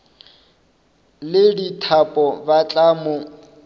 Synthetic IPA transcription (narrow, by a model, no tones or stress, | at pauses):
lɪditʰapʼɔbat͡ɬʼamʊ